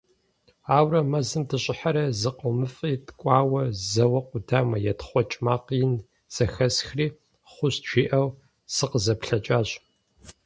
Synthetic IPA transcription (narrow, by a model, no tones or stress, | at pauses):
aːwrɐmɐzɨmdʰɨɕʼɪħaɾɐzɨqəmɨfʼiːtkʷʼɑːwɐzɐwɐqʷʊdaːmɐjɛtχʷɔt͡ʃʼmaːqɪn | z̥ɐxɐsxriː | χʷʊɕt͡ʃʰʷiːʔɐw | z̥ɨqəzɐpɬɐt͡ʃʼaːɕ